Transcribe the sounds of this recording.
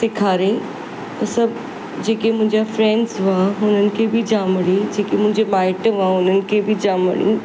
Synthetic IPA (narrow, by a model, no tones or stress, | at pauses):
sɪkʰaːɾĩ | t̪ɐsɐbʱ | d͡ʑeːkemʊ̃ɦɪ̃ɲd͡ʑafɾɛ̃ɳɖzʋaːɦʊnənɪ̆kʰebɪd͡ʑaːməɽĩd͡ʑeːkemʊ̃ɦɪ̃ɲd͡ʑebaːɪʈʋãɦʊnənɪ̆kʰebɪd͡ʑaːmə̰ɽḭ̃